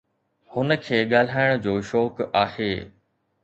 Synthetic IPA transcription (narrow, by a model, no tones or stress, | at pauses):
hʊnə̆kʰeːɠaːl̤aːɪɽ̃̆d͡ʑoːʃɔːkaːheː